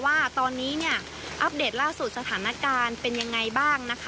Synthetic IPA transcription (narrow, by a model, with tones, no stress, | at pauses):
waː˥˩t̪ɔː˧nːiː˦˥ni˥˩ɐ | ʔa˦˥p̚deː˨˩t̪̚laː˥˩su˨˩t̪̚sa˧t̪ʰaː˩˦na˦˥kaː˧npe˧nja˧ŋːa˧jbaː˥˩ŋna˦˥kʰ